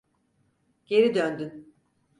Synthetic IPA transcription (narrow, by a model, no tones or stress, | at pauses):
ɟ̥e̞ɾid̪ønd̪yn